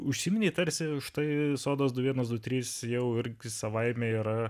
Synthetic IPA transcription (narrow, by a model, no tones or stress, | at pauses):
ʊʃʲsʲiːmʲɪnʲeːt̪ɐɾʲsʲɪʃt̪ɐɪsoːd̪oːs̬d̪ʊʋʲiɛnɐsd̪ʊt̪ʲɾʲiːsjɛʊɪɾʲɡʲɪsɐʋɐɪmʲeiːɾɐ